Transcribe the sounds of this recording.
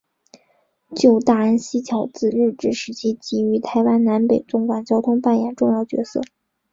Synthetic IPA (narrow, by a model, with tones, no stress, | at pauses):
t͡ɕjo˥˧ʊt̪a˥˩ə˥nɕi˥t͡ɕʰjɑ˧˥ʊt͡sɹ̩˥˩ɻɻ̩˥˩ʈ͡ʂɻ̩˥˩ʂɻ̩˧˥t͡ɕʰi˥t͡ɕi˧˥y˧˥t̪ʰa˧˥ɪwa˥nna˧˥npe˨˩ɪʈ͡ʂʊ˥ŋkwa˨˩nt͡ɕjɑ˥ʊt̪ʰʊ˥ŋpa˥˩njɛ̰˨˩nʈ͡ʂʊ˥˧ŋjɑ˥˩ʊt͡ɕɥɛ̰˧˥sɤ̰˥˩